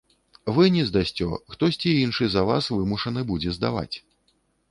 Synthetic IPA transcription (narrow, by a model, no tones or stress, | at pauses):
vɨnʲɛzd̪asʲt͡sʲɔ̰xt̪ɔsʲt͡sʲiinʂɨzɐva̰svɨmuʂɐnɨbud͡zʲɛzd̪a̰va̰t͡sʲ